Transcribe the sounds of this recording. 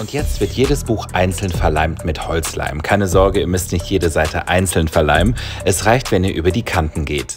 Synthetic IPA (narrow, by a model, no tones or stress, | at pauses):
ʔʊntjɛt͡stv̥ɪɐtjeːɾəsb̥uːxʔaɪnt͡sl̩nfɛɐlaɪmtmɪthɔlt͡sla̰ɪmkʰaɪnəzɔɐɡəiːɐmʏstnɪçtjeːdəzaɪtʰə̰ʔa̰ɪnt͡sl̩nfɛɐla̰ɪmmʔɛsʁaɪçtv̥ɛniːɐʔy̰ːbɐdiːkʰantn̩ɡeːt